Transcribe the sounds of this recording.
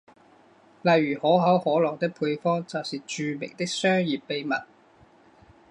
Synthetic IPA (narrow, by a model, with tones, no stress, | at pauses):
lɐ˨jɥyː˨˩hɔː˨˥ɦɐ˨˥whɔː˨˥lɔː˨˩ŋt̪ɪ˥k̚pʰuː˧jfɔː˥ŋt͡sɐ˨wsiː˨t͡ʃyː˨mḛ˨˩ŋt̪ɪ˥k̚sœː˥ŋjiː˨pːe˧jmɐ̰˨˩t̚